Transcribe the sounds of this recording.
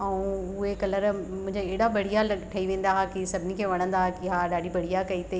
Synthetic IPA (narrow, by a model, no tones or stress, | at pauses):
ɐũʊɦekɐləɾmʊ̃ɦɪ̃ɲd͡ʑeeːɽabɐɽ̤ijalɐʈʰɐiʋẽːn̆d̪aakisɐbʱɪnikʰeːʋɐɽ̃ə̃nd̪akɪɦaɗaːɽibɐɽ̤ijakɐit̪e